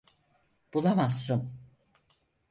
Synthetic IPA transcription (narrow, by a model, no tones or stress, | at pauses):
b̥ulˠamasːɯm